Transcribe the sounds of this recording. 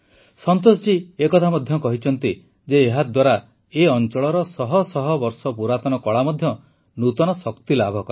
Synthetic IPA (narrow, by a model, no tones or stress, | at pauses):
sɔnt̪os̬ɔd͡ʒiekɔt̪ʰamɔd̪ʱjɔkɔɦit͡ʃʰɔnt̪i | d͡ʒeːɦad̪waɾa | eɔnt͡ʃɔɭɔɾɔsɔɦɔsɔɦɔbɔɾsɔpuɾat̪ɔnɔkɔɭamɔd̪ʱjɔ | nut̪ɔnɔsɔkt̪ilabʱɔkɔɾ